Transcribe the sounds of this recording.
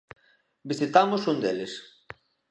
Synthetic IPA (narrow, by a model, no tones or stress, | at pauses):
bisit̪amʊsund̪elɪs